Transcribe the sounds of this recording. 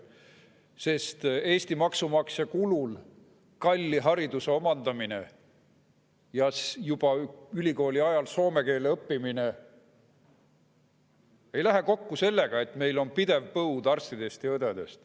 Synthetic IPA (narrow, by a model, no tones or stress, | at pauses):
se̞st̪e̞ːst̪imɑksumɑksjɑkulul | kɑlʲːiɦɑɾid̪̥use̞o̞mɑnd̪̥ɑmine̞̰ | jɑsjub̥ɑylʲiko̞ːlʲiɑjɑlso̞ːme̞ke̞ːleɤpːimine | e̞jlæɦeko̞kːuse̞lːe̞ɡ̥ɑe̞t̪me̞jlo̞npid̪̥e̞vpɤud̪̥ɑrst̪id̪̥e̞st̪jɑɤd̪ed̪e̞st̪